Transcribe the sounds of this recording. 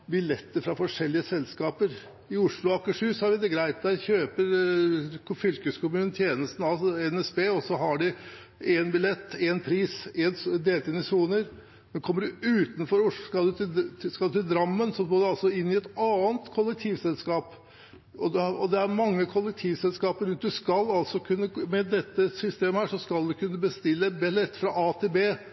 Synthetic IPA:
bɪlɛt̪ːəɾfɾɑfɔʂɛlːɪəsɛlskɑːpəɾ | ɪʊʂlʊɑkːəʂʉːsɔhɑɾʋɪd̪ɛɡɾæɪt̪d̪æɾçøːpəɾ | fʏlkəskʊmʉːnnt̪ʰjeːnəst̪n̩ɑlsɔɛnɛsbeːɔsːɔɦɑɖɪ | enbɪlɛt̪ːɛnpʰɾiːsɛnd̪eːlt̪ɪnɪsuːnəɾ | mɛnkʰɔməɖʉʉːt̪n̩fɔɾʊʂskɑd̪ʉskɑlʉt̪ʰɪld̪ɾɑmːənsɔɡoːd̪ɛɑlsɔɪnːɪɛt̪ɑːənt̪kʰɔlːək̚t̪ʰiːʋsɛlskɑːp | ɔd̪ɔd̪ɛæɾmɑŋːəkʰɔlːək̚t̪ʰiːʋsɛlskɑːpəɾʉnt̪̚d̪ʉskɑlːɑlsɔkʰʉnːəmɛd̪ɛt̪ːəsʏst̪eːməhæːʂɔskɑld̪ʉkʰʉnːəbəst̪ɪlːəbɪlɛt̪ːfɾɑʔɑːt̪ʰebeː

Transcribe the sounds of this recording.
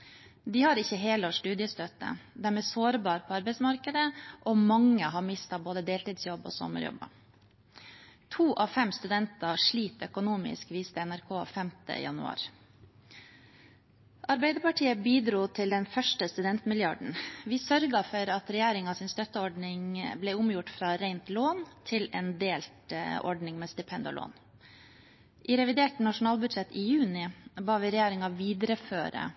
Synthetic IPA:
d̪iːhɑɾɪçəɦeːloʂʈʉːd̪ɪəst̪œt̪ə̰d̪æːɾmɛːsoːɾbɑːɾpʰoːɑɾbɛɪsmɑɾkəd̪əʔoːmɑŋːəɦɑːɾmɪst̪ɑboːd̪əd̪eːlt̪iːd̪sjɔbo̰ːsɔ̰mːə̰ɾjɔ̰bɑ̰ | t̪ʰuːʔɑːʋfɛmst̪ʉd̪ɛnt̪ɑʂɭiːt̪œkʊnuːmɪ̰skʋiːst̪əɛnæɾkʰoːfɛmt̪ə̰jɑ̰nʉ̰ɑ̰ːɾ | ʔɑɾbæɪd̪əpɑʈʰiːəbiːd̪ɾuːt̪ʰɪld̪ɛnfœʂʈəst̪ʉd̪ɛnt̪mɪljɑ̰ɖɳ̩ʋɪːsœɾɡɑfɔɾɑt̪ɾɛjæːɾɪŋɑsɪnst̪œt̪ːəɔɖɳɪŋblɛʊmjʊʈfɾɑːɾɛɪnt̪loːnt̪ʰɪlḛːnd̪eːlt̪ɔ̰ɖɳɪŋmeːst̪ɪpʰɛnd̪ə̰ɭʔo̰ːn | ʔɪɾɛʋɪd̪eːʈnɑʂʊn̩ɑːlbʉd̪ʂɛt̪iːjʉːnɪbɑːʋɪɾɛjæːɾɪŋɑʋiːd̪əɾəfø̰ːɾə̰

